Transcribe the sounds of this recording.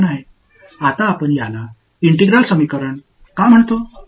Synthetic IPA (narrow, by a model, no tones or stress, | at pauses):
naj | at̪aːpəɳjala | iɳʈeɡɾalsəmikəɾəɳ | kam̤əɳt̪o